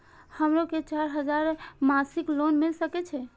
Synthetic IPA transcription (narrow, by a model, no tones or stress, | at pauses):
həmɾoket͡ʃaɾɦəd͡ʒaɾmasiklonmilsəkɛt͡ʃʰɛ